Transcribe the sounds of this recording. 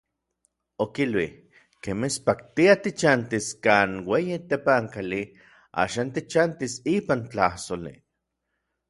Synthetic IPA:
okilwih | kemespakt̪iat̪it͡ʃant̪iskaːnwejit̪epaŋkali | a̰ːʃaːnt̪it͡ʃant̪isiːpant͡ɬahsolḭ

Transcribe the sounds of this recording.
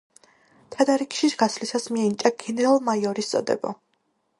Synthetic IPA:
t̪ʰad̪aɾikʃiɡaslisasmiɛnit͡ʃʼaɡɛnɛɾalˠmajɔɾist̪sʼɔ̰d̪ɛ̰bɔ̰

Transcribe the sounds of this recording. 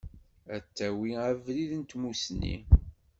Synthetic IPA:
æt͡sːæwiævliðənt̪musnːḭ

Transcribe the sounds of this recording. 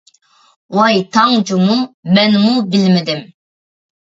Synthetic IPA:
wɑjt̪ʰɑŋd͡ʒumumɛnmubilmɪd̪ɪm

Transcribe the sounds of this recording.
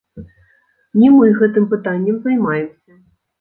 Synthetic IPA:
nʲimɨɣɛt̪ɨmpɨt̪anʲːɛmzajmajɛmsʲɐ

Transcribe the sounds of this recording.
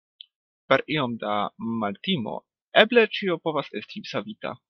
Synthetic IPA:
pe̞ɾio̞mdamaltimo̞̰ | eble̞t͡ʃio̞po̞vase̞stisavita̰

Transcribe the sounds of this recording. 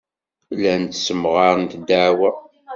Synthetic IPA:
lænt̪səmʁɑɾˤnt̪d̪aʕwæ

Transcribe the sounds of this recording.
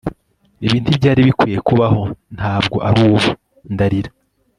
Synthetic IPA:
iβiːntibɟaːɾiβikwijekuβaho̞nhaːbɡo̞ʔaɾuːβo | ndaɾiɾa

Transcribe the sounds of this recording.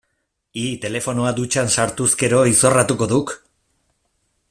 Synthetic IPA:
it̪e̞le̞fo̞noad̪ut͡ʃansaɾt̪uske̞ɾo̞iso̞rat̪uko̞ðuk

